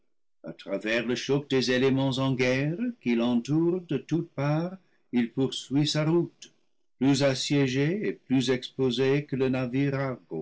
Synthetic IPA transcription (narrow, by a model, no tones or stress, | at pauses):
a̰t̪ʁavɛʁləʃɔk̚d̪ezelemɑ̃zɑ̃ɡɛʁkilɑ̃t̪uʁd̪ətut̚paʁ | ilpuʁsɥisaʁut̪ | plyzasjɛʒeeplyzɛkspozekələnaviʁaʁɡo̰